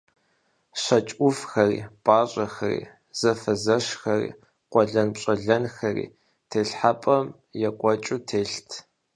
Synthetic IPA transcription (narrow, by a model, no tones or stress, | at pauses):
ɕɐt͡ʃʼʷʊfxɐrḭːpʼaːɕʼɐxɐrḭː | z̥ɐfɐzɐʃxɐrḭː | qʷɔɮɐnpɕʼɐɮɐnxɐrḭː | tʰeːɬħapʼɐm | jɛkʷʼɔt͡ʃʼutʰeːɬtʰ